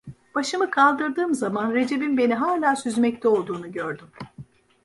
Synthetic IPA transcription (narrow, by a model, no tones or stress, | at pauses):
b̥aʃɯmɯkʰalˠd̪ɯɾd̪ɯːmzamanɾe̞d͡ʒe̞binbe̞niɦaːlʲaːsyzmɛc̚t̪ʰɛo̞lˠd̪uːnuɟøɾd̪ym